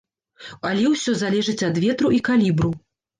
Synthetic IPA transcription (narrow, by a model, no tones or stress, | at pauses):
alʲɛwsʲɔzalʲɛʐɨt͡sʲɐd̪vʲɛt̪ɾuikalʲibɾu